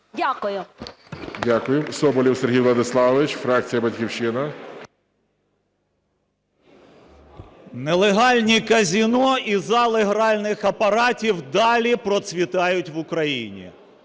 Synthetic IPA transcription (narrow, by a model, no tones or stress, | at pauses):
dʲakʊjʊ | dʲakʊjʊsɔbɔlʲiwseɦʲijlˠɐd̪ɪslˠɑʋɪt͡ʃfɾɑk̚t͡sʲijɐbɐtʲkʲiwʃɪnɐ | nelˠeɦɑlʲnʲikɐzʲinɔizɑlˠɪɦɾɑlʲnɪxɐpɐɾɑtʲiwd̪ɑlʲipɾɔt̪sʲʋʲit̪ɑjʊtʲʋʊkɾɐjinʲḭ